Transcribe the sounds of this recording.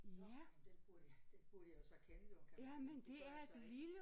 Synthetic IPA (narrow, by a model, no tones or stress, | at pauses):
jæd̥eb̥d̥eb̥uɐd̥ijosɒkʰenə̥ojæmend̥e̝æɐed̥lilə